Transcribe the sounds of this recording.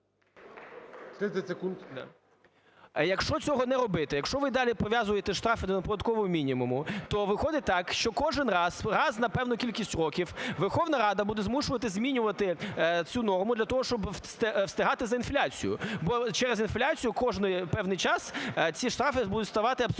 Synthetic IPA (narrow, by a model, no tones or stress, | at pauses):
t̪ɾɪɛsʲekunt̪d̪̰ | jɐkʃt͡ʃɔt͡sʲɔɦɔnɛɾɔbɪt̪ɪjɐkʃt͡ʃɔʋɪd̪ɑlʲipɔʋʲjazʊjet̪ɛʃt̪ɾɑfɪd̪ɔnɐpɔd̪ɐd̪̚kɔʋɔɦɔmʲinʲimʊmʊt̪ɔʋɪxɔd̪ɪt̪ɑkʃt͡ʃɔkɔʒɪnrɑzɾɑznɐpɛwnʊkʲilʲkʲisʲtʲrɔkʲiwʋerxɔʋnɐɾɑd̪ɐbud̪ɛzmuʃʊʋɐt̪ɪzmʲinʲʊʋɐt̪ɪt͡sʲunɔrmʊd̪lʲɐt̪ɔɦɔʃt͡ʃɔbst̪ɪwst̪ɪɦɑt̪ɪzɐinflʲat͡sʲḭjʊ̰bɔt͡ʃɛɾezinflʲat͡sʲijʊkɔʒnɪpɛwnɪjt͡ʃɑst͡sʲiʃt̪ɾɑfɪbud̪ʊtʲst̪ɐʋɑt̪ɪɐbs